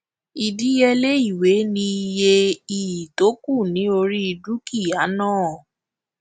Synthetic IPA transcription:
i˨di˨˦jɛ˧le˦i˦˨we˨˦nĩ˧i˧je˧i˨ji˨to˨˦ku˦˨nĩ˨˦o˧ɾi˦i˧du˦ki˦˨a˨˦nãː˦˨

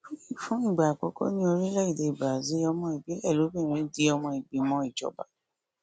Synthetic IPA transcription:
fũ˦i˦˨fũ˨˦i˦˨ɡ͡ba˨kɔ˧˦kɔ̰˦nĩ˦o˧ɾi˦lɛ˦i˦˨de˨˧i˨ba˨zi˨˦ɔ˧mɔ̃˧i˨ɡ͡be˨˦ɛ˦˨lo˨˦bẽ˦˨ĩ˨˦di˧˦ɔ˧mɔ̃˧i˨ɡ͡be˨mɔ̃˦i˦˨d͡ʒɔ̰˨˦ba̰˨

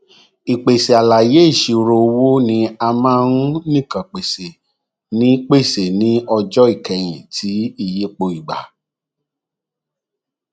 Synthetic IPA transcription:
i˨k͡pe˨se˨a˨la˨je˦i˦˨ʃi˨˧ɾo˧wo˦nĩ˧˦a˧mã˦ɾũ˦nĩ˦˨kã˨k͡pe˨se˨ | nĩ˦k͡pe˦˨se˨nĩ˨˦ɔ˧d͡ʒɔ˦i˦˨kɛ˨j̃ḭ̃˨tʰi˨˦i˧˨je˦k͡po˧i˨ɡ͡ba̰˨

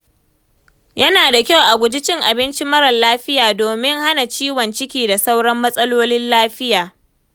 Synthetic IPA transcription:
jɐ˦naː˨da˨kʲa˦wʔa˨ɡʷʊ˨d͡ʒɪ˦t͡ʃɪ˦ŋʔa˨bɪ˦nt͡ʃi˦mɐ˦ɾɐ˨nlaː˦ɸɪ˦jaː˨doː˨mɪ˦ŋha˦na˨t͡ʃiː˦wɔ˨nt͡ʃɪ˦kʲiː˨da˨sa˦wɽɐ˦mːɐ˦sʼɐ˦loː˦nɪ˦nlaː˦ɸɪ˦jaː˨

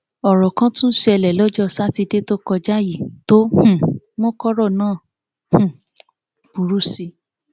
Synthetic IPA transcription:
ɔ˨ɾɔ˨kã˦tũ˦n̩˦ʃe˧ɛ˧lɛ˨lɔ˨˦d͡ʒɔ˦sa˦ti˧de˦to˦kɔ˧d͡ʒa˦ji˦˨to˦h̩˦˨ | wɔ̃˦kɔ˦ɾɔ˦˨nãː˦˨ | h̩˨ | b̥u˨ɾu˦si˧

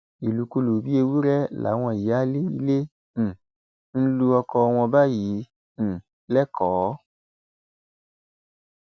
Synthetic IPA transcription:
i˨lu˨˧˦ku˧lu˨bi˦e˧wu˦ɾɛ˦la̰˨˦w̃ɔ̃˧˨i˨˦a˦le˦i˧lẽ˦˨ | n̩˦lu˧ɔ˧kɔ˧w̃ɔ̃˧ba˦jĩ˨˦˨ | lɛ˦kʰɔː˨˦

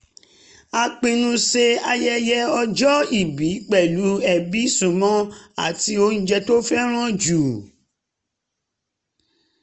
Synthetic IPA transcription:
a˧k͡pẽ˧nũ˦se˧a˧jɛ˦jɛ˦ɔ˧d͡ʒɔ˦i˨bi˨˦k͡pɛ˦˨lu˨˦ɛ˨bi˨˦sũ˦˨mɔ̃˦a̰˨ti˧o˧ñ̩˦d͡ʒɛ˧to˦fɛ˦ɾ̃ã˦d͡ʒu˨

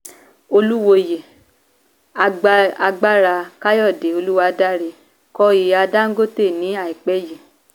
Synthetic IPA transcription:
o˧lu˦wo˧je˨ | a˧a˧ɡ͡ba˦ɾa˧ka˦jɔ˦˨de˨o˧lu˦wa˧˦da˦ɾe˧ | kɔ˧˦i˨a˧da˦ŋ̩˦ɡo˦te˦˨nĩ˨˦a˦˨i˨k͡pɛ˨˦je˨

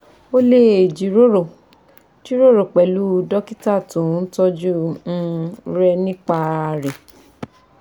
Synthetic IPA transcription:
o˦le˦e˨d͡ʒi˨ɾo˦ɾo˨ | ti˦ɾo˦˨ɾo˨k͡pɛ˨lu˦˧˦dɔ˦ki˦ta˦˨tũ˨˦n̩˦tɔ˦d͡ʒu˦n̩˦ɾɛ˦nĩ˦k͡pa˧a˨ɾɛ˨

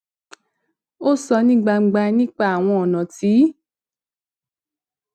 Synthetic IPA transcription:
o˦sɔ˧nĩ˦ɡ͡ba˧ŋ͡m̩˧ɡ͡ba˧nĩ˦k͡pa˦˨a˨w̃ɔ̃˧ɔ˨nã˨ti˨˦

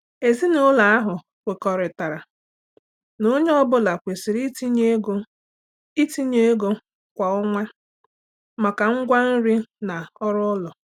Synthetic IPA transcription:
e˨zi˦nʊ˦la˨a˦ɦʊ˨ | kʷe˨kɔ˨ɾɪ˨ta˨ɾa˨ | no˦ɲe˦ɔ˦bʊ˦la˨kʷe˨si˨ɾi˦ti˦ɲe˦ɡo˦ | i˦ti˦ɲe˦ɡo˦ | kʷa˨ʊ˦ŋʷa˦ | ma˨ka˨ŋ̩˦ɡʷa˦n̩˦ɾi˦na˨ɔ˦ɾʊ˦lɔ˨

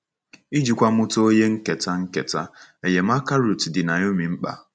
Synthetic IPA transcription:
i˦d͡ʒi˨kʷa˦mʊ˦to˦o˦je˦ŋ̩˦ke˨ta˦ŋ̩˦kḛ˨ta˦e˨je˨m̩˦a˦ka˦ɾu˨tdɪ˨na˨ɲ˦o˦mi˨m̩˦k͡pa̰˨

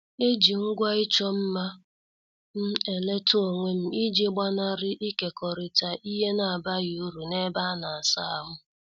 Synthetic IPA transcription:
e˦d͡ʒi˨ŋ̩˦ɡʷa˦ɪ˦t͡ʃɔ˦m̩˦ma˦ | m̩˦e˨le˦to˨ŋʷe˦m̩˦i˦d͡ʒe˦ɡ͡ba˦na˦ɾɪ˦ʔi˦ke˨kɔ˨ɾi˨ta˨ʔi˦ɦe˦na˨a˨ba˦ɣu˦ɾu˨ne˦ba˦na˨a˨sa˦a˨ɦʊ˦

